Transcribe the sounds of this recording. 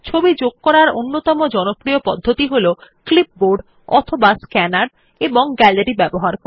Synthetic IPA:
t͡ɕʰobid͡ʑoɡ̚kɔɾaɾo̰nːot̪ɔmod͡ʑɔnopɾiopɔd̪ʱːot̪iɦoloklip̚boɾɖ | ɔ̰t̪ʰobaskɛnaɽ | eboŋɡɛleɾibɛboɦaɾk

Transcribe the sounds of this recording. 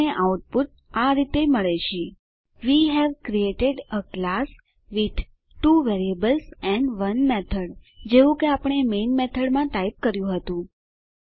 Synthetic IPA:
eʔawʈ̚puʈ̪̚ | aɾit̪eməɭeʃʰe | ʋiɦɛʋkɾieʈeɖəklas | ʋid̪ʱ | ʈuʋɛɾiəbəlsɛ̃ɳɖʋənmɛt̪ʰəɽd͡ʒeʋũkeapəɳ̃emenmɛt̪ʰəɽmãt̪aip̚kəɾjũɦət̪ũ

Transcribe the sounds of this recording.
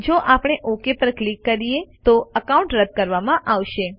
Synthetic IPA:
d͡ʒoʔapɽ̃eʔokepəɾklikːəɾijet̪oəkaũɳʈɾəd̪̚kəɾʋamãʔaʋʃe

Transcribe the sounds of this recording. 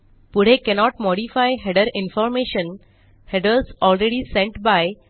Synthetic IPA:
pʊɽ̤ekɛnɔːʈmɔːɖifaɪɦɛɖəɾɪ̃nfɔːɾmeːʃə̃n | hɛɖəɾsɔːlɾeɖisẽɳʈbaɪ

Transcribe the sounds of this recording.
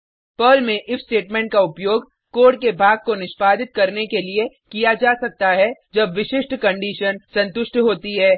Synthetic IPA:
pəːlmẽʔɪfsʈeːʈmɛ̃ːɳʈ̚kaʊpjoːɡ | koːɖkebʱaːɡ̚konɪʃpaːd̪ɪt̪̚kɐɾnekelie | kijad͡ʒaːsɐk̚t̪aɦɛd͡ʒɐbʋɪʃɪʃʈkɐ̃ɳɖiːʃənsɐ̃nt̪ʊʃʈɦoːt̪iɦɛː

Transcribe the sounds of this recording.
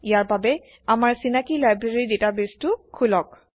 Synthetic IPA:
ijaɹbabɛ | amaɹsinakilajbɹaɹidetabestʊkʰulɔk̚

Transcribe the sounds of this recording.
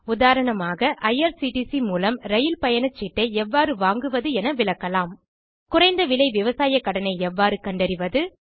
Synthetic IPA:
ʊðaːɾɐɳɐmaːɣɐʔɐjɐɾsiːʈisimuːlɐmɾɐjɪlpɐjɐnɐt͡ʃːɪʈːɐɪɛʋːaːɾɯʋaːŋɡɯʋɐðɯɛnɐʋɪlɐkːɐlaːm | kʊrɐɪnd̪ɐʋɪlɐɪʋɪʋɐsaːjɐkːɐɽɐnɐɪɛʋːaːɾɯkɐɳɖɐɾɪʋɐðɯ

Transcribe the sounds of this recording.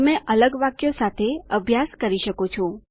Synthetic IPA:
mɛ̃ʔələɡʋakjosat̪ʰeəbʱjaskəɾiʃəkot͡ʃʰõ

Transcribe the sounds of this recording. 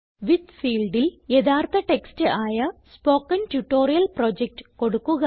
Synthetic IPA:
ʋid̪fiːlɖiljed̪aːrt̪ʰɐʈekstɨʔaːjɐspoːkːɐntuʈːoːɾijɐlproːd͡ʑek̚ʈɨ̥ko̞ɽukːuɣɐ

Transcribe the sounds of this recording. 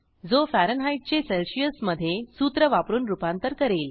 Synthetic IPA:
d͡zofæɾənɦajʈ̚t͡ɕeselɕijəsməd̪ʱːjesuːt̪ɾəʋapɾuːnɾupant̪əɾkəɾeːl

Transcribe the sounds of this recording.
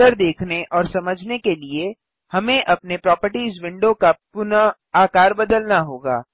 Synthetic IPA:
əɾd̪eːkʰneʔɔːɾsɐməd͡ʒʱnekelie | hɐmẽʔɐpnepɾɔːpəɾʈizʋɪ̃ɳɖõkapʊn | aːkaːɾbɐd̪əlnaɦoːɡa̰ː

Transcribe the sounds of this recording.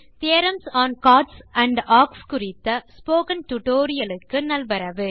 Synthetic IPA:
t̪eːɾɐmsaːnkaːʈsɐɳɖaːkskʊrɪt̪ːɐspoːkɐnt̪ʊʈoːɾɪjɐlɯkːɯnɐlbɐɾɐʋɯ

